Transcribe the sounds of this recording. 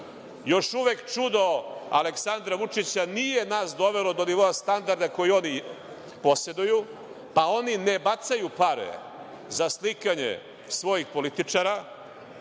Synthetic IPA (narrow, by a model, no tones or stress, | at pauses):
jo̞ʃuʋekt͡ʂud̪o̞a̰leksand̪ɾaʋut͡ʂit͡ɕanijenaːsd̪o̞ʋelo̞d̪o̞niʋoast̪and̪aɾd̪ako̞jio̞ni | po̞sed̪uju | pao̞ninebat̪sajupaɾḛ | zaslikaɲḛ | sʋo̞jixpo̞lit̪it͡ʂaːɾa